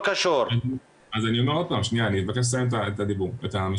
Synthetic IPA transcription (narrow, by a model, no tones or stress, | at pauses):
kaʃoɾa | azaniomeod̪̚pamʃniaːniit̪vakeʃ̬laamet̪aet̪ad̪ibuʁet̪am